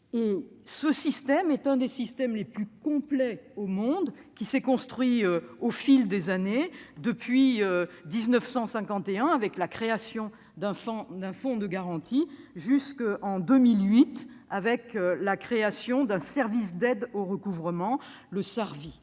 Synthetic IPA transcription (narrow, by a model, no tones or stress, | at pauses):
e | səsist̪ɛmɛt̪ɛ̃d̪esist̪ɛmleplykɔ̃plɛomɔ̃d̪kʲisɛkɔ̃st̪χɥiøofild̪ezaned̪əpɥiød̪iznəfsɑ̃sɛ̃kɑ̃t̪eɛ̃avɛklakχeasjɔ̃ | d̪ɛ̃fɔ̃d̪ɛ̃fɔ̃d̪əɡaʁɑ̃t̪i | ʒyskɑ̃d̪əmilɥit̪avɛklakχeasjɔ̃d̪ɛ̃sɛʁvisd̪ɛd̪oʁəkuvʁəmɑ̃ | ləsaʁvi